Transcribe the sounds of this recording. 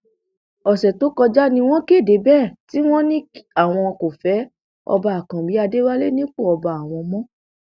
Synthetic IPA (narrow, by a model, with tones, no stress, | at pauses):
ɔ˨ʃɛ˨to˨˦kɔ˧d͡ʒa˦nĩ˧w̃ɔ̃˦ke˦˨de˨˦bɛ˦˨ti˦w̃ɔ̃˦nĩ˦a˦˨w̃ɔ̃˧ko˨fɛ˨˦ | ɔ̰˧ba˧a˨kã˨bi˨˦a˧de˦wa˦le˦nĩ˦k͡po˦˨ɔ˧ba˧a˨w̃ɔ̃˧mɔ̃˦